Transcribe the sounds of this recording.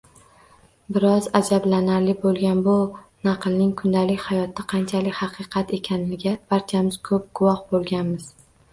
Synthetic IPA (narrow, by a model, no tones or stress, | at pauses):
bɪɾɒzad͡ʒablanaɾlɪbolˠɡʲanbʊnɑqɨlˠnɪŋkʰʊnd̪alɪkʲhajɒt̪ʰːaqʰɑnt͡ʃʰalɪkʲhɑqʰɨqʰɑt̪e̞kʲʰanɪnɪɡʲapaɾt͡ʃ̪ʰijamɪz̥kʰɵp̚ɡ̥ʊwɒhbolˠɡʲanmɪz̥